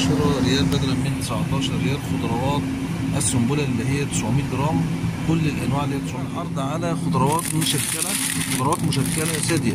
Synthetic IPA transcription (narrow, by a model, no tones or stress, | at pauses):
ʃɑɾˤɾejæːlbæd̪ɾæmɪnt̪ɪ̥sʕt̪ˤɑːʃɑɾˤːejæːlxod̪ɑɾˤɑwɑːt̪̚ | ʔæsːʊmbulæʔlːiɦɪjːæt̪ɪ̥sʕomiːt̪̚ɡ̪ɾˤɑːmkʊlːɪlʔænwaːʕelːiːæt̪ɪsʕlħɑɾˤd̪ˤʕalæxod̪ɑɾˤɑwɑːt̪mʊʃækːælæ | xod̪ɾɑwɑːt̪mʊʃækːælæzæd̪ɪjæ